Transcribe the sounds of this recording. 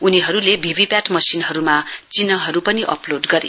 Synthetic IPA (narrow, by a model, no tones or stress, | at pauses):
uniɦʌɾulebʱibʱipjaʈmʌsinɦʌɾumat͡sinʌɦʌɾupʌniʔʌ̰ploɖɡʌɾḭ